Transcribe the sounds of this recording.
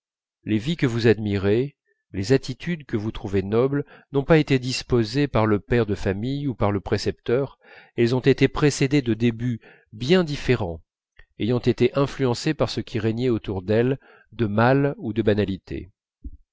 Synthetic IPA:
levikəvuzad̪miʁe | lezat̪it̪ʰyd̪kəvut̪χuvenɔblnɔ̃paet̪ed̪ispozepaʁləpɛʁd̪əfamijupaʁləpχesɛpt̪œʁ | ɛlzɔ̃t̪et̪epχesed̪ed̪əd̪eby | bjɛ̃d̪ifeʁɑ̃ | ejɑ̃t̪et̪eʔɛ̃flyɑ̃sepaʁsəkʲʰiʁɛɲɛot̪uʁd̪ɛl | d̪əmalud̪əbanalit̪ʰḛ

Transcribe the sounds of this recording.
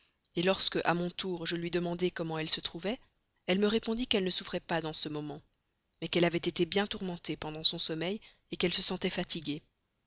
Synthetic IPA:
elɔʁskəʔamɔ̃t̪uʁʒəlɥid̪əmɑ̃d̪ekɔmɑ̃ɛlsət̪χuvɛ | ɛlməʁepɔ̃d̪ikɛlnəsufχɛpad̪ɑ̃səmɔmɑ̃ | mɛkɛlavɛt̪et̪ebjɛ̃t̪uʁmɑ̃t̪epɑ̃d̪ɑ̃sɔ̃sɔmɛj | ekɛlsəsɑ̃t̪ɛfat̪ʰiɡʲe

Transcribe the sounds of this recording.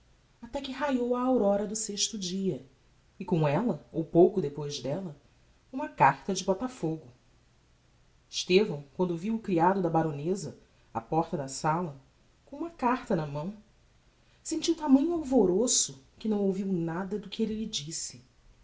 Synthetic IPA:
at̪ɛkɪɦajowɐːwɾɔɾɐd̪ʊseʃt̪ʊd͡ʒiɐ | ɪkõɛlɐowpowkʊd̪epojʒd̪ɛlɐ | ũmɐkaɾt̪ɐd͡ʒɪbɔt̪afoɡʊ | ɪʃt̪evɐ̃w̃kwɐ̃nd̪ʊviwʊkɾiad̪ʊd̪ɐbaɾõnezɐ | a̰pɔɾt̪ɐd̪ɐsalɐ | kõũmɐkaɾt̪ɐnɐmɐ̃w̃ | sẽt͡ʃiwt̪amɐ̃ɲʊawvoɾosʊkɪnɐ̃w̃owviwnad̪ɐd̪ʊkɪelɪlɪd͡ʒisɪ̥

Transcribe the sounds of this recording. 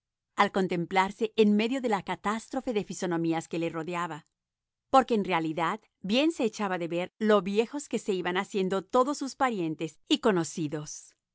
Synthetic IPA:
alko̞nt̪e̞mplaɾse̞ʔːnme̞ðjo̞ðe̞lakat̪ast̪ɾo̞fe̞ðefiso̞nõ̞miaske̞le̞ro̞ðjaβa | po̞ɾke̞ːnrealiðað | bjense̞ːt͡ʃaβaðe̞βe̞ɾlo̞βje̞xo̞ske̞se̞iβanasje̞nd̪o̞t̪o̞ðo̞sːuspaɾje̞nt̪e̞siko̞no̞siðo̞s

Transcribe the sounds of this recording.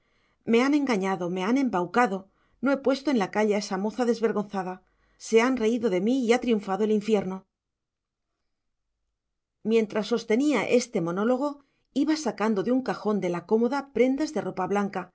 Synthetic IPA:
me̞ane̞ŋɡaɲaðo̞me̞ane̞mbawkaðo̞ | no̞e̞pwe̞st̪o̞enlakaʎae̞samo̞θaðe̞zβe̞ɾɣ̞o̞nθaða | se̞anre̞iðo̞ðe̞miːat̪ɾiuɱfaðo̞e̞liɱfje̞ɾno̞ | mjẽ̞nt̪ɾasːo̞st̪e̞niaʔe̞st̪e̞mo̞no̞lo̞ɣ̞o̞ | iβasakand̪o̞ðeuŋkaxo̞nd̪e̞lako̞mo̞ðapɾe̞nd̪azðe̞ro̞paβlaŋka

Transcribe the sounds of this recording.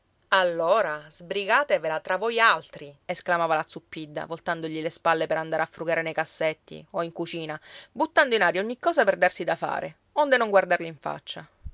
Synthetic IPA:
alːoːɾazbɾiɡaːt̪evelat̪ɾavojalt̪ɾiesklamaːvalat̪supːid̪ːa̰volt̪and̪oʎilespalːepeɾand̪aːɾeafːɾuɡaːɾenejkasːet̪ːḭoiŋkut͡ʃiːnabut̪ːand̪oinaːɾjaoɲːikːɔːzaperd̪arsid̪afa̰ːɾʔe | ond̪enoŋɡward̪arliiɱfa̰t͡ʃːa

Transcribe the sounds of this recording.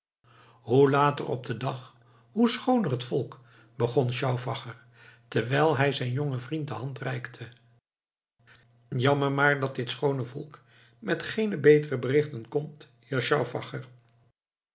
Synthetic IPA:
ɦulaːtə̰rɔ̰b̚dədɑχ | ɦusχownərətfɔlˠk | b̥əχɔnʃɑwvɑχəɹ | təɹʋɛjlˠɦɛjzɛjnjoŋəvrint̚dəɦɑntrɛjktʰə | jɑməɹmaːɹdɑt̚dɪtsχownəvɔlˠk | mɛtχejnəbejtərəbərɪχtənkɔmt | jaʃɑwvɑ̰χər

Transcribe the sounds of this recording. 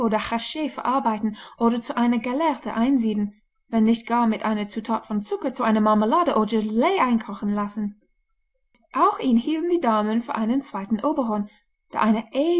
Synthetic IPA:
ʔoːdɐxaʃeːfɛɐʔaɐbaɪtn̩ʔoːɾɐt͡suʔaɪnɐɡɛlɛɐtʰə̰ʔaɪnziːdn̩ | vɛnːɪçtɡ̥aːɐmɪtʔa̰ɪnɐt͡sutʰaːtfɔnt͡sʊkɐt͡suʔaɪnɐmaməlaːdəʔoːdɐleːʔaɪnkʰaʊxn̩lasn̩ | ʔaʊxʔiːnhiːltn̩diːdaːmənfyːɐʔaɪnənt͡sv̥aɪtn̩ʔoːbəʁɔn | d̥eːʔaɪnɐʔe

